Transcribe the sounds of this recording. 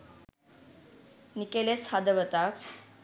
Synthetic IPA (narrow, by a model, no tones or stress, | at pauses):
nikeleshad̪əʋət̪ak